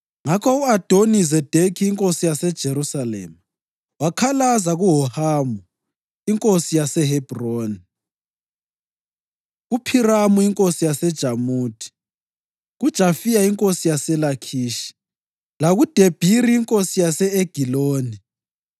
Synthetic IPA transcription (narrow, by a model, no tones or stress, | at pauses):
ŋakʰɔuad̥ʱonizɛd̥ʱekʰiːŋkʼosijasɛd̥ʒ̥ʱeɾusalɛ̰ːma | wakʰalazaɣuɦɔhaːmu | iŋkʼosijasɛɦɛb̥ʱroːni | ɣupʰiramuiŋkʼosijasɛd̥ʒ̥ʱamuːtʰi̥ | ɣud̥ʒ̥ʱafijaiŋkʼosijasɛlakʰiːʃi̥ | laɣud̥ʱeb̥ʱiɾiːŋkʼosijasɛeɡ̥ʱiloːni